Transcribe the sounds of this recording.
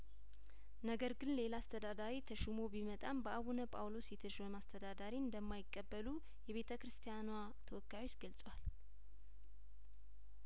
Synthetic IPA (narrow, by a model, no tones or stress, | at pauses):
nəɡəɾɡɨnle̞laːst̪ʰəd̪ad̪aɾit̪ʰəʃɪmo̞bimət̪ʼambəaβunəpʼawlo̞sjɛt̪ʰəʃməmast̪ʰəd̪ad̪aɾiɨnd̪əmːajɪkʼːəbːəlu | jɛβe̞t̪ʰəkɾɨst̪ʰijanwa | t̪ʰəwɔkːajwo̞t͡ʃːɡəlsʼwal